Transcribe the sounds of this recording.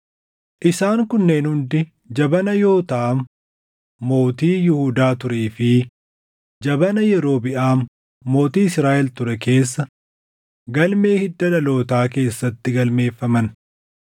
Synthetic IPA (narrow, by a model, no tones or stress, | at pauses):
ʔɪsaːŋkʊnːeːnhʊnd̪ɪ | d͡ʒɐbɐnɐjo̞ːt̪ɐʔːmː | o̞ːt̪iːjɪhuːd̪aːt̪ʊɾeːfɪ | d͡ʒɐbɐnɐjɛɾo̞ːbɪʔaːmː | o̞ːt̪iːɪsɾaːʔɛlt̪ʊɾɛke̞ːsːɐ | ɡɐlme̞ːhɪd̪ːɐlɐlo̞ːt̪aːk̬e̞ːsːɐt̪ːɪɡɐlme̞ːfːɐmɐn